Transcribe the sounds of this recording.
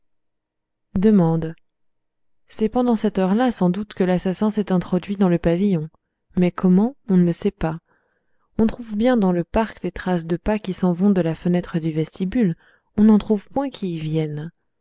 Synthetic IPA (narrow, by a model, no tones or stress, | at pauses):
d̪əmɑ̃d̪ | sɛpɑ̃d̪ɑ̃sɛt̪œʁlasɑ̃d̪ut̪kəlasasɛ̃sɛt̪ɛ̃t̪χɔd̪ɥid̪ɑ̃ləpavijɔ̃ | mɛkʰɔmɑ̃ɔ̃nələsɛpa | ɔ̃t̪χuvbjɛ̃d̪ɑ̃ləpaʁkd̪et̪χasd̪əpakʲisɑ̃vɔ̃d̪əlafənɛt̪χəd̪yvɛst̪ibyl | ɔ̃nɑ̃t̪χuvpwɛ̃kʰʲiːvjɛn